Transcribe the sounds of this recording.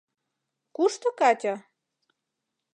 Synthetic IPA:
kuʃt̪ŏkɑt̪ʲa

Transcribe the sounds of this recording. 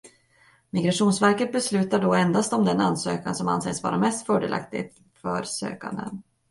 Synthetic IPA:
mɪɡɾaʂuːnsvæɾkət̪̚bɛslʉ̟ːt̪aɖɔɛnd̪ast̪ɔmd̪ɛnanːsøːkansɔma̰nsḛːsvɑ̰ːɾamɛst̪fœːɖḛlʔa̰kt̪ɪ̰t̪ | fœɾsø̰ːkand̪ə̰n

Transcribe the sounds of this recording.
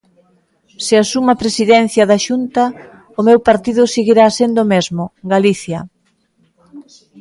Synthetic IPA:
sɪasumɐpɾesiðɛn̟θjɐðɐʃunt̪ɐ | ʊmewpaɾt̪iðʊsiɣiɾasend̪ʊːmezmʊɡaliθjɐ

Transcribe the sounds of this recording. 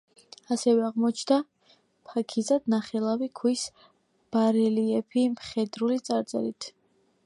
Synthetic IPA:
asɛvɛaʁmɔt͡ʃʰd̪a | pʰakʰizad̪naχɛlˠavikʰwis | b̥aɾɛliɛpʰimχɛd̪ɾulit̪sʼaɾt̪sʼɛ̰ɾit̪ʰ

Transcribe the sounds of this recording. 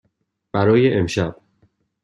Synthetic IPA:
b̥æɾɒːjeʔemʃæb̥̚

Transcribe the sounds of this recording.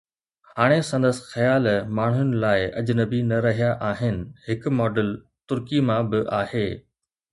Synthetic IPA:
haːɽ̃esɐ̃nd̪əsxɐjaːlmaːɳ̤jʊnɪ̆laːɪɐd͡ʑnəbinɐɾɐɦijaʔaːɦɪnɪ̆hɪkmɔːɖəl | t̪ʊɾkimãbɪʔaːheː

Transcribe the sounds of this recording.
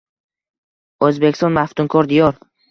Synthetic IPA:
ɵzbekʲst̪ɔ̃nmaft̪ʊmkʰɒɾd̪ɪjɒɾ

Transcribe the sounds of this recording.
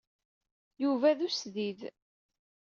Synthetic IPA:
juvæðusðið

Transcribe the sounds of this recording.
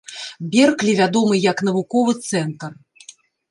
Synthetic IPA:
bʲɛrklʲivʲad̪ɔmɨjɐkn̪ɐvukɔvɨt̪sɛnt̪ɐr

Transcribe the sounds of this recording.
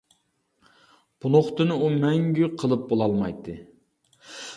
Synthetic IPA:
b̥unˠoχt̪ɨnɨumɛŋɡʲyqʰəlˠɨp̚bolˠɑlˠmɑ̰jt̪ʰːɨ

